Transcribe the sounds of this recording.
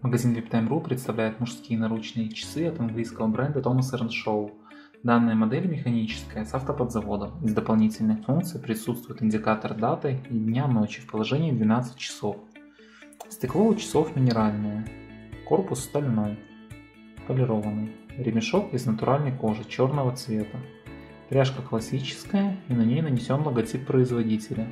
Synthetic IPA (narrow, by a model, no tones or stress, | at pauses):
məɡɐzʲinvʲɪpt̪əɛmrupɾʲɪt̪st̪ɐvlʲæjɪt̪mʊʂskʲijənɐɾut͡ɕnɨjət͡ɕɪ̥sɨɐt̪ɐnɡlʲijskəvəbɾʔɛnd̪ət̪o̞məsəɾənʂoʊ | d̪anːɨjəmɐd̪ɛlʲmʲɪxɐnʲit͡ɕɪ̥skəjəsaft̪əpəd̪zɐvo̞d̪əmɪzd̪əpɐlˠnʲitʲɪlʲnɨxfunk̚t̪sɨjpɾʲɪsut̪st̪vʊjɪt̪ɪnʲdʲɪkat̪ərd̪at̪ɨid̪ʲnʲano̞t͡ɕɪfpəlˠɐʐɛnʲɪːd̪vʲɪnat̪sɨ̥t̚ʲt͡ɕːɪ̥so̞f | sʲtʲɪklˠoʊt͡ɕɪ̥so̞fmʲɪnʲɪɾalʲnɨjəko̞rpʊsːt̪ɐlʲno̞j | pəlʲɪɾovənːɨjɾʲɪmʲɪʂo̞kɪznət̪ʊɾʔalʲnəjko̞ʐɨt͡ɕo̞rnəvət̪svʲe̞t̪ə | p̪ɾʲaʂkəklˠɐsʲit͡ɕɪ̥skəjəɪnɐnʲejnənʲɪsʲo̞nlˠəɡɐtʲipːɾəɪzvɐdʲitʲɪlʲɪ